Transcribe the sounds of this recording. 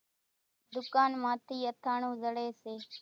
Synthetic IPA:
d̪ʊkaːnmãːt̪ʰiːət̪ʰaːɳũːzəɽeːseː

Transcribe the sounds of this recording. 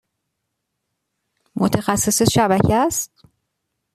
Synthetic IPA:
mot̪ʰexæsːeseʃæbæcʰeæst̪

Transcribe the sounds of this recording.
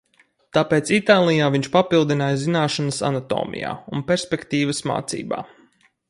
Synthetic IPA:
t̪apeːt̪sit̪aːlˠijaːviɲt͡ʃpapilˠd̪inaːjzinaːʃanəsa̰nat̪o̰ːmḭja̰ːunpɛɾspʲekt̪iːvəsma̰ːt̪sḭːba̰ː

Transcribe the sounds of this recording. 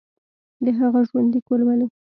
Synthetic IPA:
d̪əɦaɣaʒwand̪ikolwane

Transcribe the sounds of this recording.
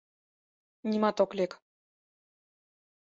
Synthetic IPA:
nʲimɑt̪oklʲek

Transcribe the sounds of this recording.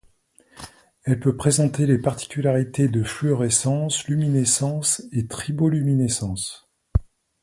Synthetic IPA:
ɛlpøpχezɑ̃t̪elepaʁt̪i̥kʲylaʁit̪ed̪əfløʁɛsɑ̃slyminesɑ̃set̪χibolyminesɑ̃s

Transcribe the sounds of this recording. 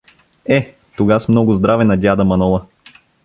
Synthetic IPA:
ɛ | t̪oɡasmnɔɡʊzd̪ɾavɛnɐd̪ʲad̪əmɐnɔlˠə

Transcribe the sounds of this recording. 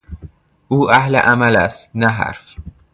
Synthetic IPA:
ʔuːʔæhlḛʔæmælæst̪næɦæ̰ɾf

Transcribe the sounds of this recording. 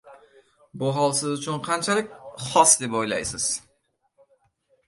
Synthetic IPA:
bʊɦɒlˠsɪzʊt͡ʃʰʊnqʰant͡ʃʰalˠɪkʲχɒsd̪epojla̰jsɪz̥

